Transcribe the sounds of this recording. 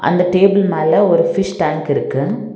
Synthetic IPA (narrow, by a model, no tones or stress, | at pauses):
ʔɐ̰nd̪ɐʈeːbɪlmaːlɐɔɾɯfɪʂʈaːŋkɪɾɯkːɯ